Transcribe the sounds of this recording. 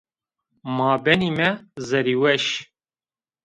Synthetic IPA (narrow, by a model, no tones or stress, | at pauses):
mɑːbɛniːmɛzɛɾiːwɛʃ